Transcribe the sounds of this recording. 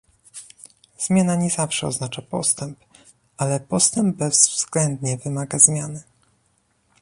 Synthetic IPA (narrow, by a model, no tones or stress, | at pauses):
z̥mʲjanaɲɛzafʂɛɔ̰znat͡ʂapɔst̪ɛmp | alɛpɔst̪ɛmbbɛz̥vvz̥ɡlɛnd̪ɲɛvɘmaɡazmʲjanɘ